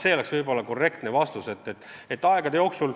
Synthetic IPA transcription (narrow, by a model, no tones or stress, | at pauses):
se̞ːole̞ksvɤjbo̞lːɑko̞rːe̞kt̪nevɑst̪use̞t̪ːet̪ːet̪ːˑɑeɡɑd̪e̞jo̞ːksul